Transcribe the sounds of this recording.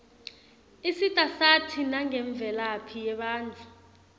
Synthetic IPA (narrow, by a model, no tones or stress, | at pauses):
isitʼasatʰinaŋɛɱb̪vʱɛlapʰijɛɓaːnd͡ɮʱu